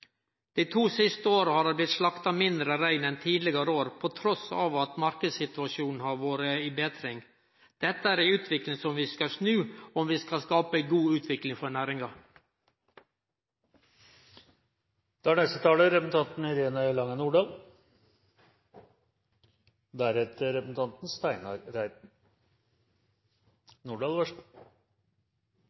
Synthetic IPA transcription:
d̪̥iːt̪ʰuːsɪst̪əoːɾəhɑːɾæblɪt̪ʂlɑkt̪ɑmɪnd̪ɾəɾæɪnɛnt̪ʰiːd̪lɪɡɑɾəoːɾpʰɔt̪ʰɾɔsɑ̰ʋɑt̪mɑɾkəd̪sɪt̪ʉɑʃuːn̩hɑɾʋoːɾəɪːbeːt̪ʰɾɪŋ | d̪̥ɛt̪ːəæɾæʉːt̪ʰʋɪklɪŋsɔmʋiːskɑsnʉːɔmʋiːskɑskɑːpəæɡuːʉːt̪ʰʋɪklɪŋfɔɳæːɾɪŋɑ | d̪̥æɳɛst̪ət̪ʰɑːləɾɛpsn̩t̪ʰɑnt̪n̩ɪɾeːnəlɑŋːənuːɖɑːl | d̪æɾɛt̪əɾɛpsn̩t̪ɑnt̪n̩st̪æɪnɑɾɾæɪd̪ | nuːɖɑːlʋæʂ

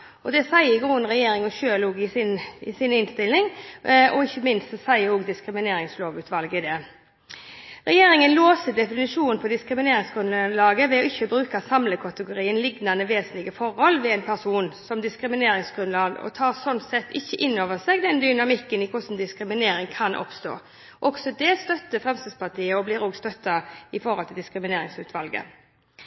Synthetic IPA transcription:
ɔd̪ɛsæɪəɡuːənʁɛjeːɾɪŋɔʃøːloːɡɪsɪnɪsɪnɪnst̪ɪlɪŋɔɪçːəmɪnst̪sæɪəɾoːɡd̪ɪskɾɪmɪneːɾɪŋsloːʋʉːt̪ʋɑlɡəɪd̪ɛ | ɾɛjeːɾɪŋənloːsəd̪ɛfɪnɪʂuːnn̩pʰɔd̪ɪskɾɪmɪneːɾɪŋsɡɾʉnlɑːɡəʋɛɔɪçːəbɾʉːkɑsɑmləkʰɑt̪əɡʊɾiːənlɪɡnɑnəʋeːsnlɪɡəfɔɾhɔlʋɛɛnpʰæʁsuːnsɔmd̪ɪskɾɪmɪneːɾɪŋsɡɾʉnlɑːɡɔ̰t̪ʰɑːʁsɔnt̪sɛt̪ːɪçːəʔɪnːoːʋəsɛːɡd̪ɛnd̪ʏnɑmɪkːənɪkʰʊsn̩d̪ɪskɾɪmɪneːɾɪŋkʰɑnʔɔ̰pst̪o̰ː | ʔɔɡsɔd̪ɛst̪œt̪ːəfʁɛmst̪əspɑt̪ʰiːəɔblɪːɾoːɡst̪œt̪ːɑɪfɔɾhɔlt̪ʰɪld̪ɪskɾɪmɪneːɾɪŋsʉːt̪ʰʋɑlɡə̰

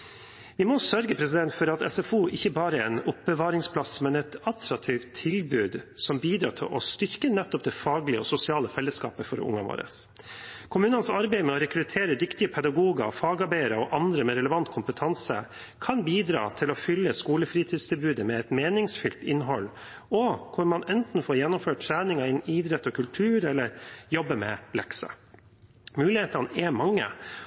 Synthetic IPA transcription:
ʋɪmɔsœɾɡəpʰɾɛsɪd̪ɛnt̪fɔɾɑt̪ɛ̰sɛfuːʔɪçəbɑːɾəɛnʊp̚bəʋɑːɾɪŋspʰlɑsmɛnɛt̪ɑt̪ʰɾɑk̚t̪ʰiːʋt̪ʰːɪlbʉːd̪sɔmbiːd̪ɾɑ̰ːt̪ʰɪ̰ʔɔ̰st̪ʏɾkənɛt̪ːɔpd̪ɛfɑːɡlɪəɔsʊsɪɑːləfɛlːəskɑ̰ːpəfɔɾʊ̰ŋɑʋo̰ːɾə̰s | kʰʊmʉːnənsɑɾbæɪmɛɔɾɛkʰɾʉt̪ʰeːɾəd̪ʏkt̪ɪəpʰɛd̪ɑɡuːɡɑfɑːɡɑɾbæɪəɾɔʔɑnd̪ɾəmɛɾɛləʋɑnt̪kʰʊmpət̪ʰɑnsə | kʰɑnbiːd̪ɾɑ̰ːt̪ʰɪlɔfʏlːəskuːləfɾiːt̪ʰiːd̪sd̪ɛbʉːd̪əmɛɛt̪meːnɪŋsfʏlt̪ɪnɦɔlː | ɔkʰʊɾmɑnɛnt̪n̩foːɾjɛnːʊmføːʈʈʰːɾæːnɪŋɑɪniːd̪ɾɛt̪ːɔkʰʉlt̪ʰʉːɾɛlːəɾjɔbːəmɛ̰lɛksə̰ | mʉːlɪheːt̪ɑnəɛmɑŋːə̰

